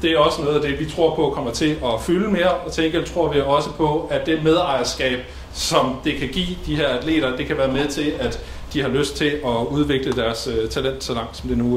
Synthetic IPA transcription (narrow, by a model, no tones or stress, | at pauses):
d̥e̝æɒ̽sənɔ̽ːð̞̩ˠæd̥e̝ʋit͡sʰʁo̝ɐ̰pʰɒ̽kʰɒ̽m̰ɐt͡sʰe̝ɒ̽fyləme̝ːɐɒ̽t͡sʰeŋɡ̥ɐt͡sʰʁo̝ɐ̰ʋiɒ̽səpʰɒ̽ædd̥e̝með̞ˠɑ̈ɪ̰ɐsɡ̥ɛ̰ːb̥̚ | sɒ̽md̥e̝kʰæɡ̥ḭːd̥ihe̝ɐæd̥le̝̰ːɾ̥ɐd̥e̝kʰæʋæːɐmeðˠt͡sʰe̝læd̥ː | ihɑ̈løsd̥̚t͡sʰe̝lɒ̽uð̞ˠʋe̝ɡ̥ləd̥æɐsøt͡sʰælen̰d̥sɒ̽lɑ̈ŋ̰d̥sɒ̽md̥e̝nu